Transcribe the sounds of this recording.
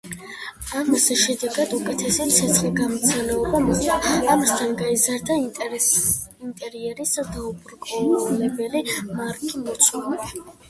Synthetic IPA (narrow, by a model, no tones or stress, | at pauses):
amasʃɛd̪ɛɡad̪ukʼɛt̪ʰɛsit̪sʰɛsχliɡamɔt̪sʰalɛɔbamɔχt̪aamast̪ʰanɡaizaɾd̪a | int̪ʼɛɾiɛɾisad̪aubuɾkʼɔlɛbɛlimaɾkʼimɔt̪sʼʰwɔlɛ